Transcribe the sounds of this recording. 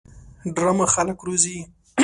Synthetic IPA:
ɖɾamaxaləkɾuzi

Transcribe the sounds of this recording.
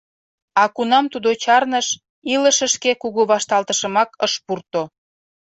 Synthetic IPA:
ɑkunɑmt̪ud̪ot͡ɕɑrnəʃ | iləʃəʃkekuɣuβɑʃt̪ɑlt̪əʃəmɑkəʃpurt̪o

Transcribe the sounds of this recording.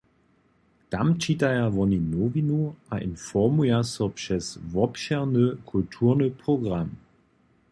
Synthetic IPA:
tamt͡ʃitajavɔninovinuaʔinfɔmujasɔpʂɛsvɔpʃɛʁnəkʰultʰuʁnəpʁ̥oɡʁam

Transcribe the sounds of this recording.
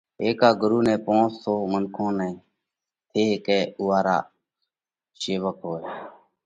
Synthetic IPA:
eːkaːɡʊɾuːnɛ̃ːpõːnssoːmənkʰõːnɛ̃ː | t̪ʰeːkɛːʊːaːɾa̰ː | seːʋəkɦoːeː

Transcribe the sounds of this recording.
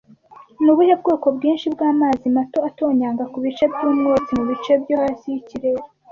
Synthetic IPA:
nuβuhab̚ɡoːko̞bɡiːnʃibɡaːmaːzimato̞atoːɲaːŋɡakuβit͡ʃebɟuːmɡot͡simuβit͡ʃebɟohasijiciɾeɾa

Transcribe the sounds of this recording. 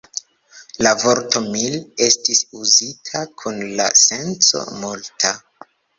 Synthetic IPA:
lavo̞ɾto̞mile̞stisuzitʰakʰunla̰se̞nt͡so̞̰multʰa

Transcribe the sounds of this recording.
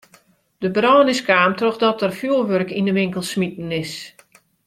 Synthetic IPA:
d̥əbrɔːnɪskaːmtroxdɔtərfjuːlˠʋørkindəʋɪŋkəlˠsmit̚n̩ɪs

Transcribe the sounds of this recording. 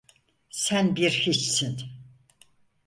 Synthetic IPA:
sænbiɾhit͡ʃsin

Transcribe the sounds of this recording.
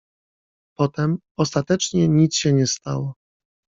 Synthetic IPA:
pɔt̪ɛm | ɔst̪at̪ɛt͡ʂɲɛɲit̪sɕɛɲɛst̪a̰wɔ

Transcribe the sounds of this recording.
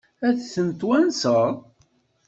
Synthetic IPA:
æðθənt̪wænsəðˤ

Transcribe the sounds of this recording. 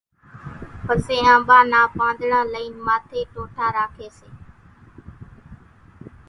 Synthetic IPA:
pəseːãːɓaːnaːpãːnd̪ɳãːləiːnmaːt̪ʰeːʈoːʈʰaːɾaːkʰeːseː

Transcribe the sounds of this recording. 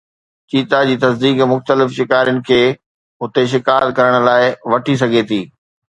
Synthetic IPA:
t͡ɕiːt̪ad͡ʑiːt̪ɐsd̪iːkmʊxt̪əlɪfʃɪkaːɾijʊnɪ̆kʰeː | ʊt̪eʃ̬ɪkaːt̪kɐɾəɽ̃ʊ̆laːɪʋɐʈʰis̬ɐɡʱet̪ʰiː

